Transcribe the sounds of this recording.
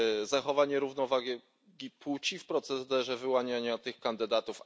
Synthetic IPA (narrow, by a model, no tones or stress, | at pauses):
zaxɔvaɲɛɾuvnɔvaɡɛ | ɡʲiput͡ɕifpɾɔt̪sɛzd̪ɛʐɛvɘwaɲaɲat̪ɘxkand̪ɘd̪at̪uf